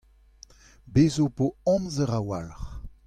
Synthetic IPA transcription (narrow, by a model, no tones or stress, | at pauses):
bezopoɔ̃mzəʁawa̰lχ